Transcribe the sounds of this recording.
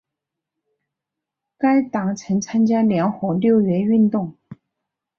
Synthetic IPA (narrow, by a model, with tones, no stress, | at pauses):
ka˥ɪt̪ɑ˨˩ŋt͡sʰə˧˥ŋt͡sʰa˥nt͡ɕja˥ljɛ˧˥ŋxwɤ˧˥ljo˥˩ʊɥɛ˧˥y˥˧nt̪ʊ˥˩ŋ